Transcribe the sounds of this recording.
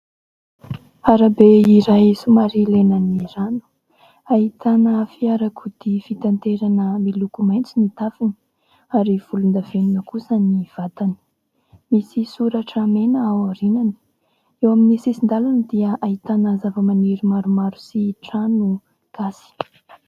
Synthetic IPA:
aɾabeiɾajsumaɾilenaniranu̥ | aɦit̪anəfiaɾakud̪ifit̪ant̪eɾanəmilukumajnt͡sinit̪afini̥ | aɾiv̥ulund̪avenunəkusəniv̥at̪ani̥ | misisuɾaʈ͡ʂamenəawaɾinani̥ | ewaminisisind̪alanid̪iəʔaɦit̪anəzavəmaneɾimaɾumaɾusiʈ͡ʂanu | ɡ̥asi̥

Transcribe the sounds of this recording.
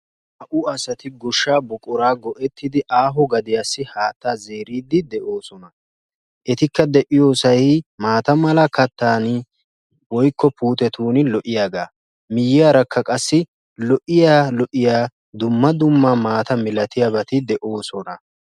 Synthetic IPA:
ɐʔʊɐsɐt̪ɪɡɔʃːaːbʊkʼːʊɾaːɡɔʔɛt̪ːɪd̪ɪʔaːɦɔɡɐd̪ɪjaːsːɪhaːt̪ːaːze̞ːɾiːd̪ːɪd̪ɛʔo̞ːsɔnɐ | ʔɛt̪ɪkːɐd̪ɛʔɪjo̞ːsɐjmaːt̪ɐmɐlɐkɐt̪ːaːn | wɔjkʰːɔpuːt̪ɛt̪uːnɪlɔʔɪjaːɡaː | mɪjːɪjaːɾɐkʰːɐkʼɐsːɪ | lɔʔɪjaːlɔʔɪjaː | d̪ʊmːɐd̪ʊmːaːmaːt̪ɐmɪlɐt̪ɪjabɐt̪ɪd̪ɛʔo̞ːsɔnɐ

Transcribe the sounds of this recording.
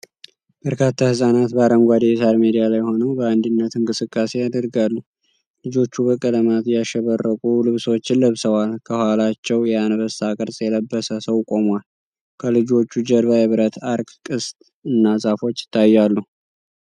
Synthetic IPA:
b̥əɾkʰat̪ʰːahɨsʼanat̪baɾəmɡʷad̪esaɾmed̪ijalajho̞nəwbəand̪ɨnːət̪ɨŋkʼɨsɨkʼːase̞jad̪əɾɡalːu | lɨd͡ʒo̞t͡ʃːubəkʼələmat̪jaʃɛβərːəkʼulɨβsot͡ʃːɪnləβsəwalkʰəhwalat͡ʃːɛwjɛanəβəsakʼɨɾsʼjɛləbːəsəsəwkʼo̞mwal | kʰəlɨd͡ʒo̞t͡ʃːud͡ʒəɾβajɛβɨɾət̪aɾɡkʼɨst̪ʼ | ɨnːazʼafo̞t͡ʃːjɪ̥t̪ʰːajːalːu

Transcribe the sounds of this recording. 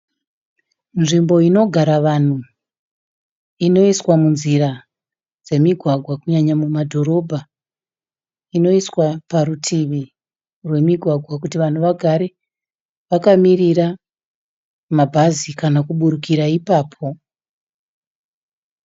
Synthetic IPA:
nʐimbo̞ino̞ɡʱaɾaʋan̤u | ino̞iswamunziɾa | d͡ze̞miɡʱwaɡʱwakuɲaɲamumadʱo̞ɾo̞bʱa | ino̞iswapaɾutʰiʋi | rwe̞miɡʱwaɡʱwakutiʋan̤uʋaɡʱaɾe | ʋakamiriɾa | mabʱazikanakuɓuɾukiɾaipaːpʰo̞

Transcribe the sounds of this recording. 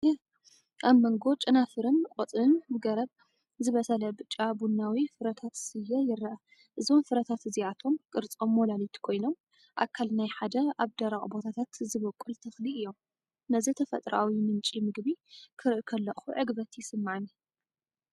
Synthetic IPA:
ʔaβmɐŋɡo̞t͡ʃʼɨnafɨɾɨnkʼot͡s̪ʼɨnmɨɡɐɾɐβ | zɨβɐsɐlɐbɨt͡ʃʼːabunːawifɨɾɐt̪ʰat̪sɨjːɐjɪrɐʔɐ | ʔɨzo̞mfɨɾɐt̪ʰat̪ɨziat̪ʰo̞mkʼɨɾt͡sʼo̞mːolalit̪ʰkʰo̞jno̞m | ʔa̰kʰːalnajħad̪ɐaβd̪ɐɾaχʼbo̞t̪ʰat̪ʰat̪zɨβokʼːult̪ʰɐxliɨjːo̞m | nɐzit̪ʰɐfɐ̰t̪ʼɾʔawimɨnt͡ʃʼimɨɡbikʰɨɾɨʔkʰɐlːɐχuʕɨɡbɐt̪jɪsɨmːaʕɨn

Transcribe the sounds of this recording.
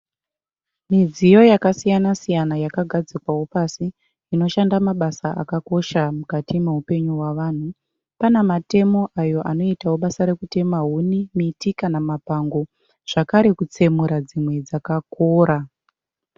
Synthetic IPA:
mid͡zijo̞jakasijanasijanajakaɡʱad͡zikwawo̞pasi | ino̞ʃandamaɓasaʔa̰kako̞ʃamukatimeɦupe̞ɲuwaʋaːn̤u | panamate̞mo̞ʔajo̞ʔano̞itawoɓasaɾe̞kute̞maɦunimitikanamapaŋɡo̞ | ʐ̥akaɾe̞kut͡se̞muɾad͡zimwe̞d͡zakakoːɾa

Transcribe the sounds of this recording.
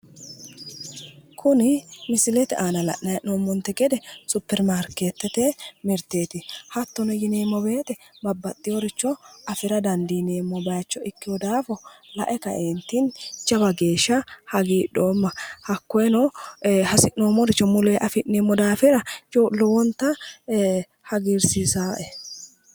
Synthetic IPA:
kʰʊnɪmɪsɪlɛt̪ɛʔaːnɐlɐ̰ʔnɐjʔnoːmːɔnt̪ːɛɡɛd̪ɛsʊpːɛɾmaːɾkeːt̪ːɛt̪ɛmɪɾt̪eːt̪ɪhɐt̪ːɔnɔjɪneːmːɔbe̞ːt̪ɛ | bɐbːɐt̪ʼːɪjɔɾɪt͡ʃːɔɐfɪɾɐd̪ɐnd̪ɪjneːmːɔbɐjt͡ʃːɔɪkːɪjɔd̪aːfɔlɐ̰ʔɛkɐ̰ʔeːnt̪ːɪnt͡ʃːɐbɐɡeːʃːɐhɐɡiːᶑoːmːɐhɐkːɔɛnɔhɐsɪʔnoːmːɔɾɪt͡ʃːɔmʊleːʔɐfɪneːmːɔd̪aːfɪɾɐt͡ʃɔlɔwɔnt̪ːɐ | hɐɡɪɾsɪsaːʔɛ

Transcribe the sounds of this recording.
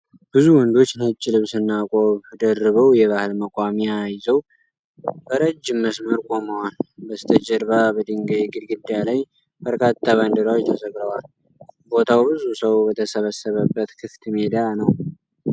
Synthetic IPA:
b̥ɨzuwɔnd̪o̞t͡ʃːnət͡ʃʼːɪlɨβsɨnːakʼo̞βd̪ərːɨβəwjɛβahɨlməkʷʼamiajzəw | b̥əɾəd͡ʒːɪmːəsməɾkʷʼo̞məwalbəst̪ʰəd͡ʒəɾbabəd̪ɨŋɡəjiɡɨd̪ɡɨd̪ːjalaj | bəɾkʼat̪ʰʼːaβand̪ɨɾawjt̪ʰəzəɡɾəwal | bo̞t̪ʰawbɨzusəwbət̪ʰəsəβəsːəβəbːət̪kʰɨft̪med̪anəw

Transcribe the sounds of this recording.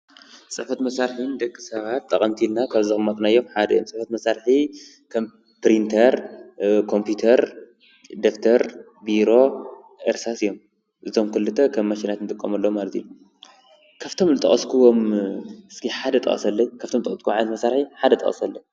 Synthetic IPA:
sʼɨħfɐt̪mɐsaɾħɨnd̪ɐkʼːisɐβat̪ːɐχʼɐmt̪ʰilnakʰaβzɨxʼmat̪ʼnajːo̞mħad̪ɐjo̰msʼɨfɐt̪mɐsaɾħi | kʰɐm | pɾint̪ʰɐɾkʰo̞mpʰjut̪ʰɐɾ | d̪okt̪ʰɐɾ | biɾo̞ | ʔɐɾsasɨjːom | ʔɨzomkɨlːɨt̪ʰɐkʰɐmːɐʃinat̪nɨt̪ʼɨkʼːɐmɐlːomalɐt̪ʰḭnu | kʰaβt̪ʰo̞mzɨt̪ʼɐ̰χʼɐskʰuwomɨskʰiħad̪ɐt̪ʼɐ̰χʼɐ̰sɐlːɐɲkʰaβt̪ʰomt̪ʼɐ̰ɐskʰuʕalɐt̪mɐsaɾħiħad̪ɐt̪ʼɐ̰χʼɐ̰sɐlːɐɲ

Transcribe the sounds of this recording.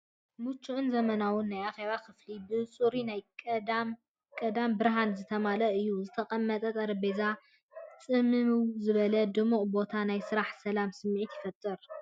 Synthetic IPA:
mut͡ʃːuʔʊnzɐmɐnawʊnːajaxeβakɨflibɨt͡sʼuɾinajʼm | kʼɐd̪ambɨɾɦanzɨt̪ʰɐmalɐɨjːuzɨt̪ʰɐkʼɐmːɐt̪ʼɐt̪ʼɐɾɐbeza | t͡sʼɨmɨmzɨβɐlɐd̪ɨmuqʼbo̞t̪ʰanajsɨɾaħsɐlamsɨmːʕit̪jɪfɐt̪ʼːɨɾ

